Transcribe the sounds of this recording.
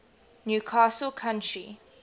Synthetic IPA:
njuːkʰaːsəlkʰãntɹḭ

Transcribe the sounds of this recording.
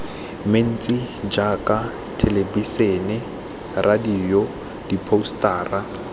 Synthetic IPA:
men̩t͡sʼid͡ʒakʼa | tʰelebisenɛ | rʔadiːjɔ | d̥ipʰostʼaːra

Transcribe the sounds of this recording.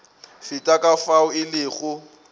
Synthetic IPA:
fɪtʼakʼafaʊɪlɪːɣʊ

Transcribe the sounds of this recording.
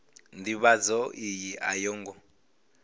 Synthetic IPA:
ndiβad͡zɔʔijiʔa̰jɔŋɡɔ

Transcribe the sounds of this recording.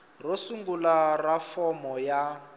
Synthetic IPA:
rosuŋɡularafɔmɔja

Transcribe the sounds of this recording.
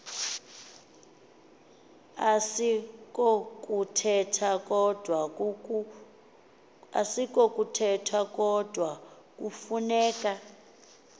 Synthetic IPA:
asikɔkʼutʰɛtʰakɔd̥ʱwa | asikʼɔkʼutʰɛtʰakʼɔd̥ʱwa | k̬ʼufunɛːkʼa

